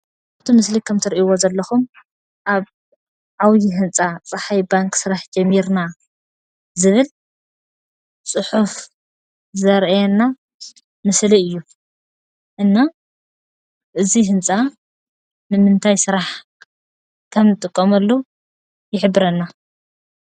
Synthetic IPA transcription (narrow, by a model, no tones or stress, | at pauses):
aβt̪ʰimɨslikʰɐmt̪ʰɨɾiwozɐlːɐxum | ʔaβ | ʕawjiɦɨnt͡sʼat͡sʼɨħajbaŋkʰsɨɾaħd͡ʒɐmːiɾna | zɨβɨl | t͡sʼɨħuf | zɐɾʔjɛnːa | mɨsliɨjːu | ʔɨnːa | ʔɨziɦɨnt͡sʼa | nɨmɨnt̪ʰajsɨɾaħ | kʰɐmnɨt̪ʼɨkʼːomɐlːu | jɪħɨbːɨɾɐnːa